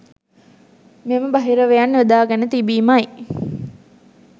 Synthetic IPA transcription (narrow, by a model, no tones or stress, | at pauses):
meməbaɦiɾəʋejanːʋed̪aːɡɛnət̪ibiːmaj